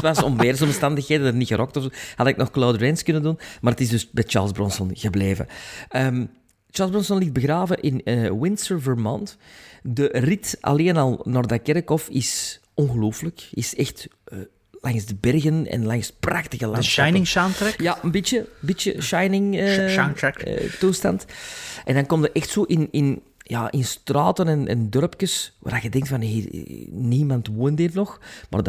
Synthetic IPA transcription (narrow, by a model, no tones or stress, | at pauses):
tasɔmveːrsɔmstɑndəxheːdədətnixəɾɔk̚tɔfsoːha̰dəɪk̚nɔxkloːdəɹɛnskɵnəndunmaːrdətɪzdɵsbɛjt͡ʃa̰ːlˠzbrɔnsɔnɣəbleːvə̰əm | t͡ʃaːlzbrɔnsɔnlid̚bəɣraːvəʔɪnəwɪnsəɹvəɹmɔntdəritʔɑ̰leːnɑlˠnoːrdakɛɾəkɔfɪs | ɔnɣəloːfələkɪsɛxtː | laŋsdəbɛrɣənɛ̰nlaŋspraxtəɣəlanʃɛjnɪŋʃaːntɾɛjaənbijəmbitə̰ʃajnɪŋanɛkːtustɑ̰ntʔɛndɑnkɔmtəɾʔɛxtsoːʔɪnɪn | jaːʔɪnstraːtənɛnɛ̰ndœrpkəswa̰ːrdaɣədɛŋktfɑnɦiːr̰niːmɑntwoːnditnɔxma̰rd